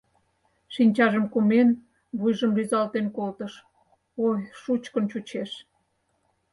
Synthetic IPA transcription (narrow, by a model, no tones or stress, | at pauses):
ʃinʲt͡ɕɑʒəmkumen | βujʒəmryzɑlt̪enkolt̪əʃ | ojʃut͡ɕkə̆nt͡ɕut͡ɕeʃ